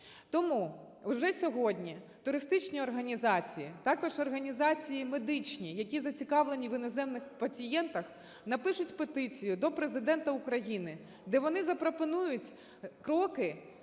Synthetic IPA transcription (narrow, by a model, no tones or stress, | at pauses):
t̪ɔmu | ʊʒɛsʲɔɦɔdʲnʲi | t̪ʊɾɪst̪ɪt͡ʃnʲiɔrɦɐnʲizɑt͡sʲijḭt̪ɑkɔʒɔrɦɐnʲizɑt͡sʲijimed̪ɪt͡ʃnʲijɐkʲizɐt͡sʲikɑʋlˠenʲiʋɪnɔzɛmnɪxpɐt͡sʲijɛnt̪ɐx | nɐpɪʃʊtʲpet̪ɪt͡sʲijʊd̪ɔpɾezɪd̪ɛnt̪ɐʊkɾɐjinɪ | d̪ɛʋɔnɪzɐpɾɔpɔnujʊtʲ | kɾɔkɪ